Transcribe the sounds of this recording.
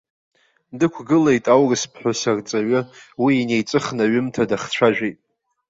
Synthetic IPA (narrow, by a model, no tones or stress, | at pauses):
dɨkʷʰɡɨlejtʼawrɨspʰħʷᶣosart͡sʼaɥʊwiːne̞jt͡sʼɨχnaɥʏmtʰadaχt͡st͡ɕʷʰaʒᶣʷejtʼ